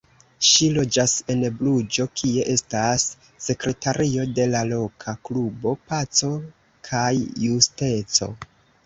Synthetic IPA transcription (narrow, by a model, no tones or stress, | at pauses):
ʃilo̞d͡ʒase̞nblud͡ʒo̞kʰie̞ʔe̞stasː | e̞kɾe̞taɾio̞de̞lalo̞kʰaklubo̞pat͡so̞ | kʰajːuste̞t͡so̞̰